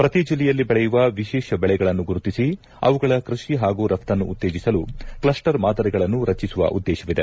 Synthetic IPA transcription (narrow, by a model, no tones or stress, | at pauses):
pɾɐt̪id͡ʒilːɛjɐlːibɛɭɛjuʋɐʋiʃɛːʃɐbɛɭɛɡɐɭɐnːuɡuɾut̪isi | ɐ̰ʋuɡɐɭɐkɾuʂiɦaːɡuːɾɐft̪ɐnːuːt̪ːeːd͡ʒisɐluklɐsʈɐɾmaːd̪ɐɾiɛɡɐɭɐnːuɾɐt͡ʃːisuʋɐ̰ʔud̪ːɛːʃɐʋid̪e̞̰